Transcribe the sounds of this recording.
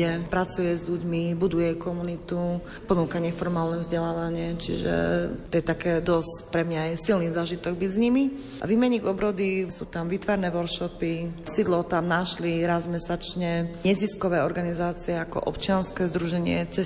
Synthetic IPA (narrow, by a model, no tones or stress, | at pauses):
ɛpɾat͡sujɛzʎuɟmibud̪ujɛkɔmunit̪u | pɔnuːkaɲɛfɔɾmaːlnɛvzɟɛlaːʋaɲɪɛt͡ʃḭʒɛ̰tt̪ɔjɛt̪akɛːd̪ɔscpɾɛmɲajɛsilnizaːʒit̪ɔɡ̚bizɲimi | ʔa̰ʋimɛɲiɡɔbɾɔd̪isuːt̪amʋiːt̪ʋaɾnɛːʋɔɾkʃɔpisid̪lɔt̪amnaʃliɾazmɛsat͡ʃɲɛɲɛziskɔʋɛːɔɾɡanizaːt͡siɛakɔ̰ʔɔpt͡ʃɪanskɛːzd̪ɾuʒɛɲɪɛ̰t͡sɛ